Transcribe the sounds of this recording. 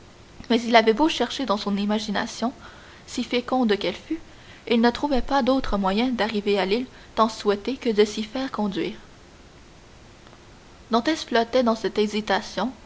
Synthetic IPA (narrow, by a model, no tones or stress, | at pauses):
mɛzilavɛboʃɛʁʃed̪ɑ̃sɔ̃nimaʒina̰sjɔ̃ | sifekɔ̃d̪əkɛlfy | ilnət̪χuvɛpad̪ot̪χəmwajɛ̃d̪aʁivealil | t̪ɑ̃swɛt̪ekəd̪əsifɛːʁkɔ̃d̪ɥiːʁ | d̪ɑ̃t̪ɛsflɔt̪ɛd̪ɑ̃sɛt̪ɛzit̪asjɔ̃